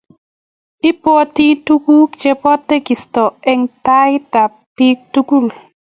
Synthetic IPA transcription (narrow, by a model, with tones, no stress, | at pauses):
ɪ˦po˦ti˦tu˦ɡu˦kt͡ʃe˦pɔ˦tːe˦ɡi˨stɔ˨ɛ˦ŋta˦ɪ˦ta˨ | pi˦k̚tu˦ɡu˦˨l